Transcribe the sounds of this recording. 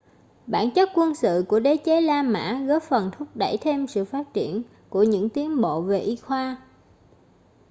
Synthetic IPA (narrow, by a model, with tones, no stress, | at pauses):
ɓaː˧˩nt͡ɕə˦˥t̚kwə˧nsɨ̰˧˨ku˧˩əɗe˨˦t͡ɕe˨˦laː˧ma̰ː˧˥ɣə˦˥p̚fə˨˩nt̪ʰʊ˦˥k͡p̚ɗə˧˩jt̪ʰe˧msɨ̰˧˨faː˦˥t̚t͡ɕi˧˩˨ən | ku˧˩əɲɨ̰˧˥ŋt̪i˨˦ənɓo̰˧˨ve˨˩ʔi˧xwaː˧